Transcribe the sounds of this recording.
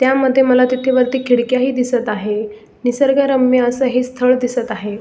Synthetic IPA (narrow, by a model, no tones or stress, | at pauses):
t̪jaməd̪ʱːjeməlat̪it̪ʰeʋəɾt̪iːkʰiɽkjaɦiːd̪isət̪aɦe | nisəɾɡaɾəmːjəəsəɦist̪ʰəɭd̪isət̪aɦe